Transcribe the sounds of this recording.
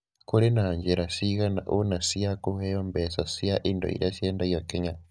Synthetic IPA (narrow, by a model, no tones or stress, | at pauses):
kulenaːɲd͡ʒeɾasiɣanaʔunasiakuhejombesasiaʔindo̰ḭɾasjeːndajokeɲa